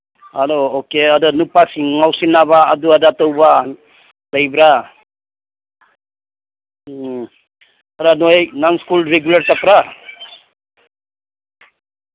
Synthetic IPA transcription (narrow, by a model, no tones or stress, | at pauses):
haloːkeadanupasiŋŋawsinaβaːduadatowba | dajbɾa | aɾanojnanskulɾeɡjulaɾtapɾa